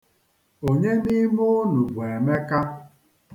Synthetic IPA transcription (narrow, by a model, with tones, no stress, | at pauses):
o˨ɲe˦ni˦mo˦nu˨bu˨e˨me˦ka˦